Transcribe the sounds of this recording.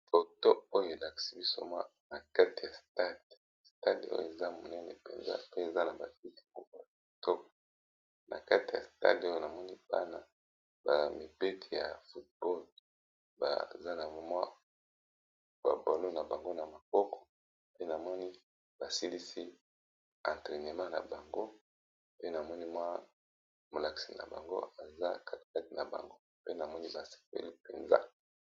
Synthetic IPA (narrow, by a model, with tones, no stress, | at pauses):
fo˨to˦o˦jo˨e˨la˨ki̥˨si˦bi˦so˦mwa̰˦ | na˨ka˦ti˨ja˨sta˦d | sta˦do̰˦jo̰˨e˨za˦mo˨nɛ˦nɛ̰˨pḛ˨nza̰˦˨pe˦e˨za˦na˨ba˨ki˦ti̥˨mɔ˦kɔ˦ja˨a˨to˦kɔ˨ | nʔa̰˨ka˦ti˨ja̰˨sta̰˦do˦jo˦˨na˨mɔ˦ni˦b̥a̰˦na˨ | ba̰˨mi˨be˦tʰi˨ja̰˨fu˨t̚bɔ˦l | ba̰˨za˦na˨mo˨mwa˦ | b̥a̰˨bo˨lo˦na˨ba˨ŋɡo˦na˨ma˨kɔ˦kɔ̥˨ | pe˦na˨mɔ˦ni˦ | b̥a˨si˦li˦si˦ | a˨nte˨ne˨mã˦na̰˨ba˨ŋɡo˦ | pe˦na˨mɔ˦ni˦mwa˦ | mo˨la˨ki̥˨si˨na̰˨ba̰˨ŋɡo̰˦a˨za˦kʰa˦ti̥˨ka˦ti˨na˨ba̰˨ŋɡo˦pe˦na˨mɔ˦ni˦ba˨se̥˨pḛ˦li˦pe˨nza̰˦